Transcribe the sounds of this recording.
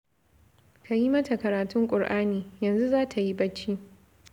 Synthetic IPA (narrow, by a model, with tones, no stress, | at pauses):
kʰa˨ji˦mɐ˦ta˨kɐ˨ɾaː˨tʊ˦ŋkʷʼʊ˨rʔaː˦niː˨jɐ˨nzu˦zaː˦tʰa˨ji˦bɐ˦t͡ʃːi˦